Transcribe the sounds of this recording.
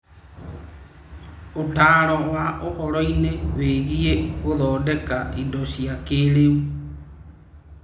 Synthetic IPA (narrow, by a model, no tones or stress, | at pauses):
otaːɾɔwaʔohɔɾɔineweːɣieɣoðɔːdekaidoʃiakeleu